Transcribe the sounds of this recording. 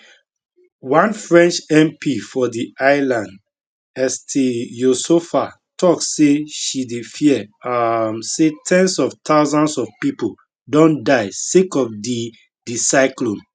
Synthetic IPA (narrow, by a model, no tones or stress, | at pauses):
wãnfɹɛ̃nt͡ʃɛ̃mpʰifɔdiʔaɪlãnd | ɛstʰejosofa | tɔkseʃidefiɛamsetʰɛ̃nsɔvtʰaʊzãnsɔfpipo | dɔ̃ndaɪsekɔfdi | disaɪklɔ̃n